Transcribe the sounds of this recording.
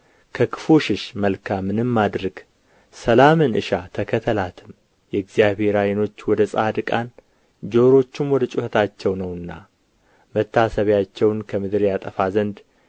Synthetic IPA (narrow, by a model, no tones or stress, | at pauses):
kʰəkʰɨ̥fuʃɪʃməlkʰamːɨnɨmːad̪ɾəɡ̥ | səlamɨnɨ̰ʃat̪ʰəkʰət̪ʰəlat̪ʰɨm | jɛɡzijaβe̞ɾajno̞t͡ʃːwɔd̪əsʼad̪ɨkʼan | d͡ʒo̞ɾo̞t͡ʃːɪmwɔd̪ət͡ʃʼʊhət̪ʰat͡ʃːɛwnəwɨnːa̰ | mət̪ːasəβjat͡ʃːɛwnkʰəmɨd̪ɨɾjat̪ʼəfazənd̪